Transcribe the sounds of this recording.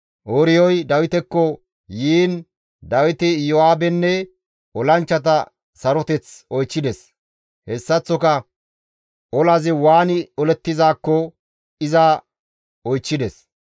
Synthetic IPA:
ʔoɾɪjɔjd̪ɐwɪt̪ɛkːɔ | jiːn | d̪ɐwɪt̪ɪjɔaːbɛnːɛ | ʔɔlɐnt͡ʃːɐt̪̬ɐ | sɐɾɔt̪ɛt͡sɔjt͡ʃːɪd̪ɛs | hɛsːɐt͡sːɔkɐ | ʔɔlɐzɪwaːnɪɔlɛt̪ːɪzaːkːɔ | ɪza | ɔjt͡ʃːɪd̪ɛs

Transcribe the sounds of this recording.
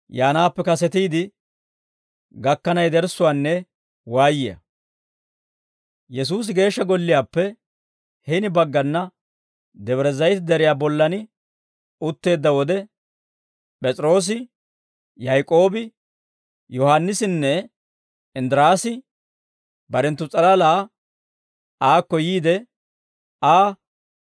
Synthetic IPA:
jaːnaːpːɛkɐsɛt̪iːd̪ɪ | ɡɐkːɐnɐjd̪ɛɾsʊwaːnːɛ | waːjɪjɐ̰ | jɛs̬uːs̬ɪɡe̞ːʃːɐɡɔlːɪjaːpːɛ | hɛnɪbɐɡːɐnːɐ | d̪ɛβɾɛzɐjt̪ɪd̪ɛɾɪjaːbɔlːɐnɪ | ʊt̪ːe̞ːd̪ːɐwɔd̪ɛ | pʼɛt͡sʼɾo̞ːs̬ɪ | jajkʼo̞ːbɪ | jɔhanːɪsɪnːɛ | ɪnd̪ɾaːsɪ | bɐɾɛnt̪ːʊt͡sʼɐlɐlaː | aːkːɔjiːd̪ɛ | aː

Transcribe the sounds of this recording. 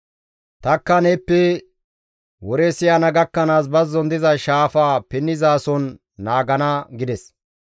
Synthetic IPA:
t̪ɐkːɐnepːɛ | wɔɾeːsɪjanɐɡɐkːɐnaːs̬bɐzːɔnd̪ɪzɐʃaːfaːpɪnːɪzaːsɔnː | aːɡɐnɐɡɪd̪ɛs

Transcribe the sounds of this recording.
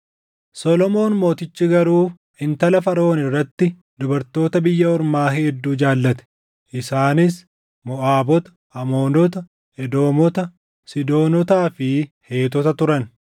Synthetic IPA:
sɔlɔmo̞ːnmo̞ːt̪ɪt͡ʃːɪɡɐɾuː | ɪnt̪ɐlɐfɐɾo̞ːnɪrːɐt̪ːɪ | d̪ʊbɐɾt̪o̞ːt̪ɐbɪjːɐɔɾmaːɦɛɛd̪ːuːd͡ʒaːlːɐt̪ɛ̥ | ʔɪsaːnɪs | mɔʔaːbɔt̪ɐ̥ | ʔɐmo̞ːnɔt̪ɐ | ɛd̪o̞ːmɔt̪ɐ | sɪd̪o̞ːnɔt̪aːfɪhe̞ːt̪ɔt̪ɐt̪ʊɾɐn

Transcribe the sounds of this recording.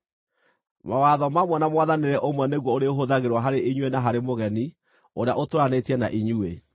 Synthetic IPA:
mawaðɔmamwɛnamwaðaneɾɛʔomwɛneɣwɔoɾeoɦoðaɣeɾwaɦaɾeʔiɲwenaɦaɾemoɣɛni | oɾeaʔotoɾanetiɛna̰ʔiɲue

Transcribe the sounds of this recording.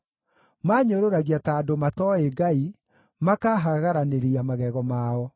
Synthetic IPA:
maːɲoɾoɾaɣiataːdomatɔeɡai | makaːɦaɣaɾaneɾiamaɣɛɣɔmaːɔ

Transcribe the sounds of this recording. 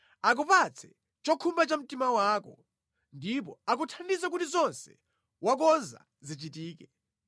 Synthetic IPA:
ak̬upat͡sʰɛ | t͡ʃɔkʰumbat͡ʃam̩timawaːkɔ̰ | ndipɔak̬utʰandizak̬utizɔnsɛ̥̰ | wak̬ɔnza̰ | zit͡ʃitiːkɛ

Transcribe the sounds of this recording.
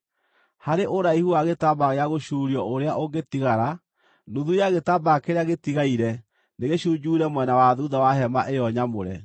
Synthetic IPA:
haɾeʔoɾaihuaɣetabaɣeaɣoɕuɾiɔʔoɾeaʔoɡetiɣaɾa | nuðujaɣetabakeɾeaɣetiɣaiɾɛ | neɣeɕuɲd͡ʒuːɾɛmwɛnawaðuðawaɦɛmaʔejɔɲamo̰ɾɛ̰

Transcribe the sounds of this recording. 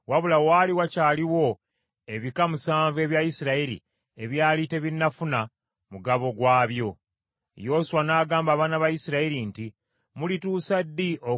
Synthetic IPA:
waβulawaliwacaːliwo̞ | e̞βikamusaːɱve̞ːβjajisiɾailḭ | e̞βjaːlite̞βinːafuna | muɡaβo̞ɡwaːβjo̞ | jo̞ːsuwanaːɡaːmbaβaːnaβajisiɾailinti | mulituːsadːiʔo

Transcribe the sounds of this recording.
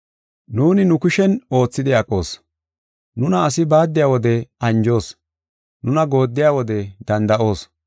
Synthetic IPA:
nuːnɪnʊkʊʃɛno̞ːt͡sːɪd̪ɪɐkʼːo̞ːs | nʊnɐːsɪbaːd̪ːɪjaːwɔd̪ɛɐnd͡ʒo̞ːs | nʊnɐɡo̞ːd̪ːɪjaːwɔd̪ɛd̪ɐnd̪ɐʔo̞ːs

